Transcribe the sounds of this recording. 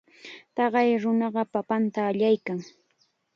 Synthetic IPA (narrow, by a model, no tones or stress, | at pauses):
t̪ɑɢɑjɾʊnɑɢɑpapant̪aːʎajkaŋ